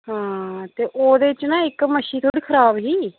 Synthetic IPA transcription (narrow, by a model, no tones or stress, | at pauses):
ɦãːt̪eːʔoːd̪eːɪt͡ʃːnaːɪkməʃiːt̪ʰoːɽiːkʰəɾaːbɦiː